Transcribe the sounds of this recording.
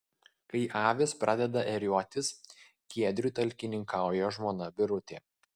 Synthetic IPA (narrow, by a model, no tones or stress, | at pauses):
kɐɪʔɑːʋʲɪspɾɑd̪ʲɛd̪ɐʔɛɾʲuɔt̪ʲɪs | kʲiɛd̪ʲɾʲuːˑt̪ɐlʲkʲɪnʲɪŋkɑˑʊjoʒmoːnɐbʲɪɾʊt̪ʲeː